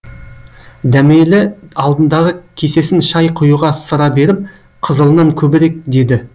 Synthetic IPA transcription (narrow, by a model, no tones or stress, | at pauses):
d̪æmelɪɑlˠd̪ənd̪ɑʁəkʲʰe̞se̞sɪnʃɑjqʰʊjuʁɑsəɾɑbe̞ɾɪp̚ | qʰəzəlˠənɑŋkʲʰɵbɪɾe̞k̚d̪e̞d̪ɪ